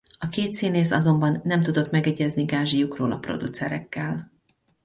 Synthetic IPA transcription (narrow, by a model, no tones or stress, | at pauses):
ɒkeːt̪siːneːsɒzo̞mbɒnːɛmt̪ud̪o̞t̪mɛɡɛɟɛzniɡaːʒijukroːlɒpro̞̰d̪ut̪sɛɾɛkːɛl